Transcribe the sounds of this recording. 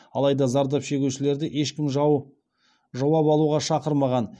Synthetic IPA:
ɑlˠɑjd̪ɑzɑɾd̪ɑpʃe̞ɡʲewʃɪle̞ɾd̪ɪʔe̞ʃkʲɪm | ʒɑwɑpɑlˠuʁɑʃɑqəɾmɑʁɑn

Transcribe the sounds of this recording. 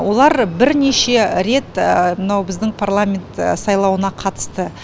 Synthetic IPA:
wʔo̞lˠɑɾbɪɾne̞ʃe̞ɾe̞t̪əmənɑwbɪzd̪ɪŋpʰarlˠamʲe̞nt̪sɑjlˠɑwənɑqʰɑt̪ə̥st̪ə

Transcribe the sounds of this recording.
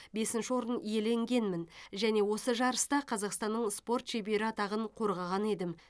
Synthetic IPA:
be̞sɪnʃɪwo̞ɾənije̞le̞ŋɡʲe̞nmɪnʒæne̞wo̞səʒɑɾəst̪ɑqʰɑzɑqst̪ɑnːəɴspo̞rt̪ʃe̞jbe̞ɾɪɑt̪ɑʁəɴqʰo̞ɾʁɑʁɑne̞d̪ɪm

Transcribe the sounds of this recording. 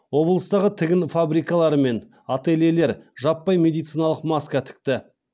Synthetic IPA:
wo̞blˠəst̪ɑʁət̪ʰɪɡʲɪnfabɾijkɑlˠɑɾəme̞n | ɑt̪e̞lele̞ɾʒɑpːɑjmʲe̞d̪ijt̪sijnɑlˠəqmɑskɑt̪ʰɪ̥k̚t̪ɪ

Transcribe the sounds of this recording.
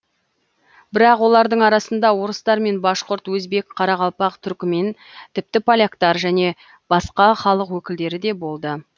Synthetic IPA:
bɪɾɑqwo̞lˠɑɾd̪əɴɑɾɑsənd̪ɑwo̞ɾəst̪ɑɾme̞nbɑʃqʊɾt̪wɵzbe̞kqʰɑɾɑʁɑlˠpɑqt̪ʰʏɾkʲɪme̞n | t̪ʰɪp̚t̪ɪpʰolʲakt̪ɑɾʒæne̞ | b̥ɑsqɑχɑlˠəqwɵkʲɪld̪e̞ɾɪd̪e̞bo̞lˠd̪ə

